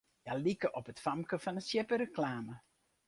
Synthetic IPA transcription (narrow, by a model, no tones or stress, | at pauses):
jalikəʔɔpətfɑmkəfɑnəsjɛpəɾəklaːmə